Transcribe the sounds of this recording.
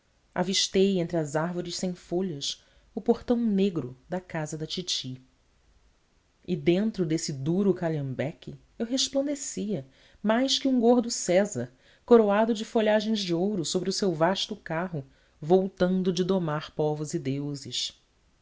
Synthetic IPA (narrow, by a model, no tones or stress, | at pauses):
a̰viʃt̪ejẽnt̪ɾɪɐzaɾvoɾɪʃsẽj̃foʎɐs | ʊpoɾt̪ɐ̃w̃neɡɾʊd̪ɐkazɐd̪ɐt͡ʃit͡ʃi | ɪd̪ẽnt̪ɾʊd̪esɪd̪uɾʊkalɐ̃mbɛkɪ | ewɦeʃplɐ̃nd̪esiɐ | majʃkɪũŋɡoɾd̪ʊsɛzɐɾ | koɾoad̪ʊd͡ʒɪfoʎaʒẽj̃zd͡ʒɪowɾʊsobɾɪʊsewvaʃt̪ʊkaɦʊ | vowt̪ɐ̃nd̪ʊd͡ʒɪd̪omaɾpɔvʊzid̪ewzɪʃ